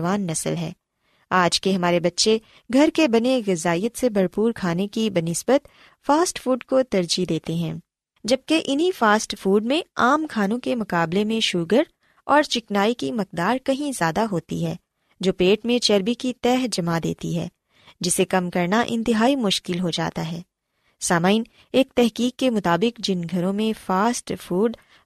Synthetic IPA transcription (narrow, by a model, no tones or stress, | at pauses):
ʋaːnːɐsə̰lɦɛ̰ː | aːd͡ʒkeɦɐmaːɾebɐtːʃe | ɡʱɐɾkebɐneɣɪzaːijət̪sebʱɐɾpuːɾkʰaːnekibɐnɪsbət̪̚ | faːsʈfuːɖkot̪ɐɾd͡ʒid̪eːt̪eɦɛ̰̃ː | d͡ʒɐb̚keʔɪnɦifaːsʈfuːɖmẽaːmkʰaːnõkemʊkaːblemẽʃuːɡəɾ | ɔːɾt͡ʃɪknaːikimɐk̚d̪aːɾkɐɦĩzjaːd̪aɦoːt̪ḭɦɛː | d͡ʒoːpeːʈmẽt͡ʃɐɾbikit̪ɛːɦd͡ʒɐmad̪ḛːt̪ḭɦɛ̰ː | d͡ʒɪsekɐmkɐɾnaʔɪ̃nt̪ɪɦaːimʊʃkɪlɦod͡ʒa̰ːt̪aɦɛː | saːmaːɪn | eːk̚t̪ɛɦkiːkːemʊt̪aːbɪkd͡ʒɪnɡʱɐɾõmẽfaːsʈfuːɖ